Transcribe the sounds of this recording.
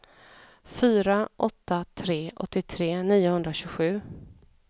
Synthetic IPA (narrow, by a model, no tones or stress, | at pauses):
fyːɾaʔɔt̪ːat̪ʰɾeːʔɔ̰t̪ːɪt̪ʰɾeːniːʊhɵnd̪ɾaɕɵɡɧʉ̟ː